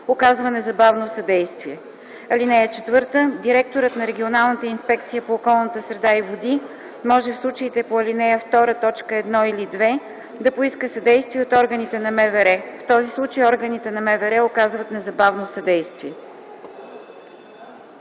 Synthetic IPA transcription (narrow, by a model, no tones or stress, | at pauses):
okazvənɛzɐbavnosɐd̪ɛjst̪viɛ | ɐlinɛjət͡ʃɛt̪vɤɾt̪əd̪iɾɛk̚t̪oɾət̪nɐɾɛɡʲionalˠnət̪əinspɛkt̪sijəpoːkɔlˠnət̪əsɾɛd̪aivod̪i | mɔʒɛfslˠut͡ʃəit̪ɛpoɐlinɛjəft̪ɔɾət̪ɔt͡ʃkəɛd̪nɔilid̪vɛ | d̪ɐpoiskəsɐd̪ɛjst̪viɛot̪ɔɾɡənit̪ɛnɐmɛvɛɾɛft̪ɔzislˠut͡ʃəjɔɾɡənit̪ɛnɐmɛvɛɾɛokazvət̪nɛzɐbavnosɐd̪ɛjst̪viɛ